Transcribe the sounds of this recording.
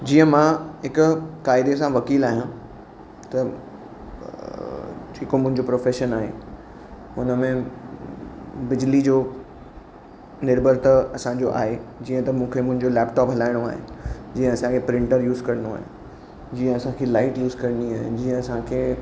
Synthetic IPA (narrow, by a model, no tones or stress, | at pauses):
d͡ʑiːə̃mãɦɪkʊkaːɪd̪esãʋɐkiːlaːɦijã | t̪ɐ | ʈʰiːkomʊ̃ɦɪ̃ɲd͡ʑopɾoːfeːʃənaːɦḛ | ʊnəmẽ | bɪd͡ʑlid͡ʑoː | nɪɾbʱəɾt̪ɐɐsãɲd͡ʑoʔa̰ːɦed͡ʑiːə̃t̪ɐmũːkʰemʊ̃ɦɪ̃ɲd͡ʑolɛːpʈɔːpɦɐlaːɪɽ̃oaːɦḛd͡ʑiːə̃ɐsãkʰepɾɪ̃ɳʈəɾjuːzkɐɾənoa̰ːɦḛ̃ | d͡ʑiːə̃ɐsãkʰelaːɪʈjuːzkɐɾə̃nd̪iaːɦɪ̃d͡ʑiːə̃ɐsãkʰeː